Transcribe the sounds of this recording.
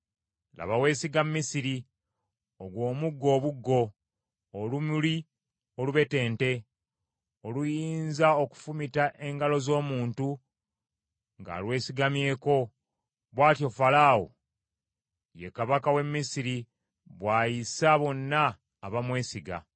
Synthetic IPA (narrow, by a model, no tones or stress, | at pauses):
lʔa̰βawe̞ːsiɡamːisiɾi | oɡwo̞ːmuɡːo̞ːβuɡːo̞ː | lumuli | oluβe̞te̞ːnte̞ | olujiːnzao̞ku̥fumitaʔe̞ŋɡalo̞zo̞ːmuːntu | ŋɡa̰lwe̞ːsiɡamje̞ːko̞ | βwaːtjo̞falaːwo̰ | jekaβakawe̞mːisiɾi | βwaːjisaβo̞nːaː | βamwe̞ːsiɡa̰